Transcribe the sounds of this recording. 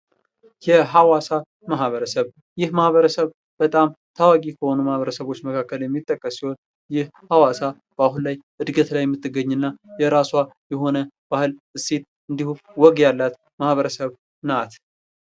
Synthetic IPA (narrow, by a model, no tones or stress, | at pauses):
jɛɦawasa | maɦβəɾəsəβ | jɪhmahβəɾəsəβ | b̥ət̪ʼamt̪ʰawaɡʼikʰəho̞numahβəɾəsəβo̞t͡ʃːməkʰakːəljɛmːit̪ʼːəkʼːəsːiho̞n | jɪhhawasa | b̥əaɦunlajʔɨd̪ɡət̪lajɛmːɨt̪ːɨɡəɲːɨnːajɛɾaswajɛɦo̞nəb̥ahɨlɨsːet̪̚ | ʔɨnd̪ihuwɔɡjalːat̪ | mahβəɾəsəβ | nat̪